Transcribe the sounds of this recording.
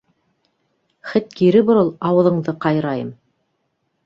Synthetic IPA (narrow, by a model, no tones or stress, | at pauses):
χɘt̪̚kiɾɘbŏɾɤlˠɑwɤ̆ðˠɤ̆ɴðɤqɑjɾɑjɤm